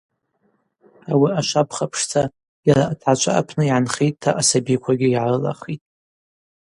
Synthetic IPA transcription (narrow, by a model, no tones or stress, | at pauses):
awiaʃʷapʰχapʰʂt͡sʰa | jaɾaatʰat͡ʃʷʰʼa̰a̰pʰnɨiʕanχejtʼtʰːaʔasabikʷʰaɡʲɪiʕarɨla̰χitʼ